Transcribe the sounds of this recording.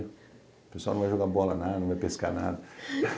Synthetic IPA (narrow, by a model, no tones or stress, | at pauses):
peswalnɐ̃vajʒoɡabɔlɐnad̪nɐ̃vajpeskana̰d̪ɐ